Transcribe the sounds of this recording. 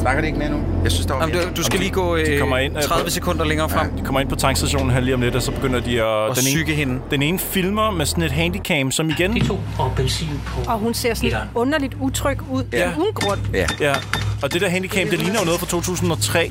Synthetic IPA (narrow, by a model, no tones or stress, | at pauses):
snɑ̈ɡ̥ɐdɾeeɡn̩æn̩ | jɑ̈ɪsynsd̥emdd̥ussɡ̥æliːɡ̥ɔ̰̽ːdikʰɒmɐe̝n̰ʁaðˠʋəsekʰɔn̰d̥ɐleŋɐːfʁɑm̰d̥i̥kʰɒ̽mɐe̝n̰pɒ̽t͡sʰɑ̈ŋ̰ɡsd̥æɕo̝̰ːn̩ɦæɐliːɒ̽md̥ed̥ɒsɒ̽b̥e̝ɡ̥øn̰ɐd̥iɒ̥esneyɡ̥əɦe̝nd̥ene̝ːnəfilmɐmesɒ̽n̩e̝d̥ɦænd̥ikʰɛm̥sɒ̽miɡ̥ent͡sʰo̝̰ːɒb̥ensḭːnpʰɔɒ̽ɦunse̝ɐ̰sɔnɔ̽nɐlid̥ut͡sʰʁœɡ̥uð̰ˠjæunɡ̥ʁɔd̥æjæɒ̽d̥e̝d̥eɐ̰ɦænd̥ikʰæmd̥e̝liːnɐjo̝nɔ̽ðˠfʁɑ̽t͡sʰo̝̰ːt͡sʰṵːsn̩ɒ̽t͡sʰʁɛ̰ː